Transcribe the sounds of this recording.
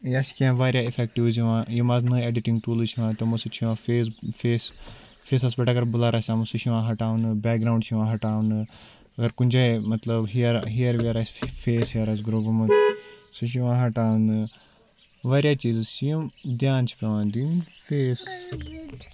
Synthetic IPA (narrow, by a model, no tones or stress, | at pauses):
jaskiãːʋaːɾjaːifɛkʈiʋziʋãːjimaːznəeːɖiʈĩŋɡʈuːlɨt͡ʃʰiʋãːt̪omosut͡ʃʰiʋãːfesfeːs | fʰeːsɐs̬beʈaɡɐɾbulaːɾaːsʲãːmusuʃiʋãːɦɐʈaːʋnɨbɛːk̚ɡɾaːɳɖt͡ʃʰiʋãːɦɐʈaːunɨ | ɐɡɐɾkunʲd͡ʒemɐt̪ləbɦiɾɦijəɾʋiəɾaːsʲfeːsɦijəɾaːsɡɾoːbɐmɐnsuʃ̬iʋãːɦɐʈaːʋnɨ | ʋaːɾjaːt͡ʃiːzsijumd̪jaːnt͡ʃʰi̥pʲeʋãːnd̪infeːs